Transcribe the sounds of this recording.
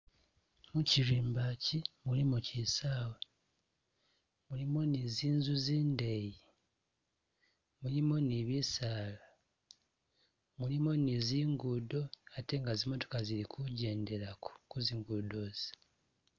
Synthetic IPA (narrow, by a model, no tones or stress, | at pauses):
muciɾiːmbacimulimucisaːwe | mulimo̞niziːnzuziːndeji | mulimoniβisaːla | mulimo̞niziːŋɡudo̞ate̞ŋɡazimo̞to̞̥kaziɾikʰuɟe̞ːnde̞ɾako̥kuziːŋɡudo̞ːz̥i̥